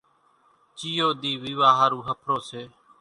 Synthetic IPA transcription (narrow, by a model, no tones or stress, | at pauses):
t͡ʃijoːd̪iːʋiʋaːɦaːɾuːɦəpʰɾoːseː